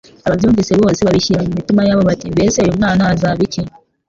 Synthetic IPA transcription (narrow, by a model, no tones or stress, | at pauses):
aβavjuːɱviseβo̞ːseβaβiʃiɾamumitimajaβo̞βatimbesejomnaːnazaβice